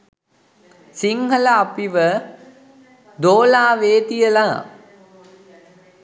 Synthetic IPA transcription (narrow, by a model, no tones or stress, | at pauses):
siŋɦəlɐːpiʋə | d̪oːlaːʋeːt̪ijəlaː